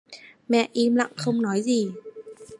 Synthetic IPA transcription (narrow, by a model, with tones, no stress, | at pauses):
mɛ̰˧˨ʔi˧mla̰˧˨ŋxə˧wŋ͡mnɔ˨˦jzi˨˩